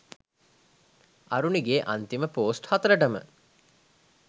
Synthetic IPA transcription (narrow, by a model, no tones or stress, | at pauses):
ɐ̰ɾuniɡeːʔant̪iməpoːsʈhat̪əɾəʈəmə̰